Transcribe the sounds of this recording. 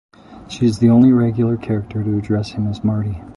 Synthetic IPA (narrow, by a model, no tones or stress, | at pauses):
ʃiɨzðiõʊ̃nliɹɛɡjl̩ˠə˞kʰɛɹɨk̚tʰə˞ɾɨːdɹɛshɨ̃mɨzmɑɹɾi